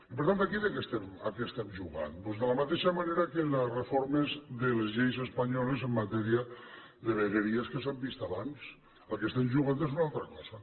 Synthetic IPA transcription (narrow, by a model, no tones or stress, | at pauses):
ipəɾt̪ant̪akiðekɛst̪ɛma̰kest̪ɛmʒuɣa̰npozðələmat̪eʃamaneɾakelesrefoɾmezðəlˠzʎejzəspaɲɔlezəmːat̪ɛɾiə | ðəβeɾəɾiəskəs̬ambist̪aβans | əlˠkest̪ɛmʒuɣant̪̬ezunalˠt̪ɾəkɔza